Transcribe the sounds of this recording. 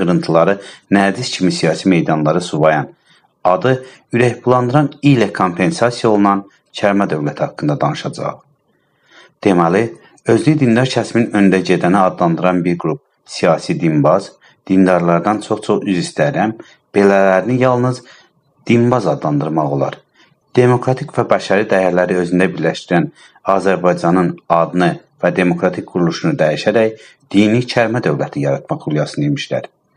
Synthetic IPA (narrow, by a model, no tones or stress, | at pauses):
ɯɾɯnt̪ʰɯlˠɑɾɯnæɾd̪iscʰimisijɑːsime̞jd̪ɑnlˠɑɾɯsuvɑjɑn | ɑd̪ɯ | yɾæçpʰulˠɑnd̪ɯɾɑnilækʰo̞mpʰe̞nsɑsijaolˠunɑn | cʰæɾmæd̪ø̞vlæt̪ʰiɑkːɯnd̪ɑd̪ɑnɯʃɑd͡ʒɑ̰χ | d̪̥e̞mæli | ø̞zlʲyd̪ind̪ɑɾcʰæsminø̞nd̪æɟe̞d̪æniɑd̪lˠɑnd̪ɯɾɑnbiɾɡɾup̚ | sijɑːsid̪imbɑz | d̪̥ind̪ɑɾlˠɑɾd̪ɑnt͡ʃʰo̞χt͡ʃʰo̞χyzist̪æɾæm | b̥e̞lælæɾinijɑlˠnɯz | d̪̥inbɑzɑd̪lˠɑnd̪ɯɾmɑʁo̞̰lˠɑ̰ɾ | d̪̥e̞mo̞kʰɾɑt̪ʰikvæbæʃɑɾid̪æjæɾlæɾiø̞zynd̪æbiɾlæʃt̪iɾæn | ɑːzæɾbɑjd͡ʒɑnɯnɑd̪nɯvæd̪e̞mo̞kʰɾɑt̪ʰik̚ɡuɾulˠuʃunud̪æjiʃæɾæj | d̪̥init͡ʃʰæɾmæd̪ø̞vlæt̪ʰijɑɾɑt̪̚ʰmɑχulˠjɑsɯnimiʃlæ̰ɾ